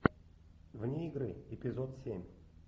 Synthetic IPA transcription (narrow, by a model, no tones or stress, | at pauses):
vnʲeɪɡɾɨ̰ɪpʲɪzot̪sʲemʲ